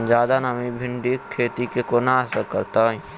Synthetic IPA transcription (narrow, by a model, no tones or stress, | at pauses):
d͡ʒaːd̪anəmibʱɪ̃ɳɖikʰːeːt̪ikekonaəsəɾkəɾt̪aĩ